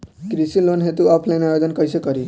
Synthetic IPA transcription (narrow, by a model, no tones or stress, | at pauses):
kɾisilonɦet̪uɔpʰlajnajod̪ənkʌjsekʌɾi